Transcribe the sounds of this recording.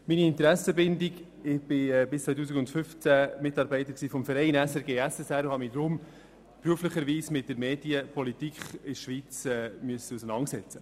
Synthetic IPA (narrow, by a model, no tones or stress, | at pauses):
miniɪntəɾæsəbɪndɪɡ | ɪb̥ɪɛbɪst͡svœt̬uːs̬ikɡʊntfʏft͡sæmɪtɑːɾbɛɪtəɾksiːfɔmfəɾɛɪnɛsɛɾɡeːæsɛsæɾʊhɑmidɾʊm | pɾyəfləχəɾʋiːsmɪt̚d̥əɾmeːdiəpʰɔlitikʰχɪʃʋiːt͡sɛmyəsəusənɑnsɛt͡sə